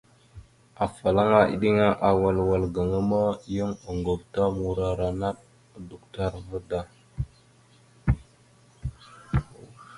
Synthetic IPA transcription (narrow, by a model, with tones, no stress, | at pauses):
a˨fa˨la˦ŋa˦ḭ˨ɗi˦ŋa˦ʔa˨wa˨lwa˨lɡə˨ŋə˦ma˦jə˦ŋə˨ŋɡo˨vta˦mu˨ɾa˨ɾa˨na˦ɗ | du˨kta˦ɾvə˦da˨